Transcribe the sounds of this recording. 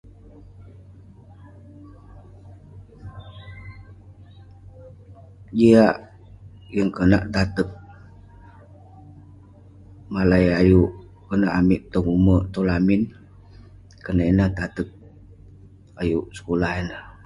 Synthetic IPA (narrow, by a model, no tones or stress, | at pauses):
d͡ʒiaʔ | jəŋkənaʔt̪at̪ək̚ | malajajuʔ | kənaʔamɪʔt̪ɔŋumət̪olamin | kənainəht̪at̪ək̚ | ajuʔsə̥kulahinəh